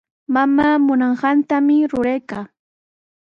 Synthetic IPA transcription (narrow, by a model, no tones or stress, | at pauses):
mamaːmʊnɑɴɢɑnt̪amɪɾʊɾejkaː